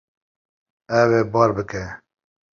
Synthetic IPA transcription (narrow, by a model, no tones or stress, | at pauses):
ɛweːbɑːɾbɨkʰɛ